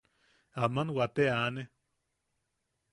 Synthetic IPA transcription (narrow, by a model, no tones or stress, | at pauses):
amanwat̪eane